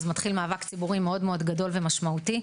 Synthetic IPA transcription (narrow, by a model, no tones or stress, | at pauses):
zmat̪χilmaːvakt͡sibuʁimeo̞dmeo̞dɡado̞lve̞maʃmauti